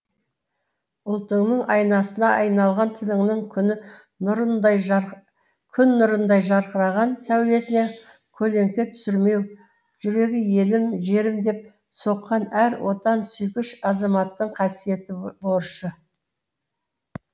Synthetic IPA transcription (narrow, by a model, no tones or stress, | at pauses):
ʊlˠt̪əŋnəɴɑjnɑsənɑʔɑjnɑlˠʁɑnt̪ʰɪlɪŋnɪŋkʲʰnɪ | ɾ | kʲʰʏnːʊɾənd̪ɑjʒɑɾqəɾɑʁɑnsæwle̞sɪne̞ | kʲʰɵle̞ŋkʲe̞t̪ʰʏ̥sɪɾme̞w | ʒ̥ʏɾe̞ɡʲɪje̞lɪmʒe̞ɾɪmd̪e̞p̚ | so̞qːɑnæɾwʔo̞t̪ɑnsʏjkʲɪʃɑzɑmɑt̪ːəɴqʰɑsije̞t̪ɪboɾʃə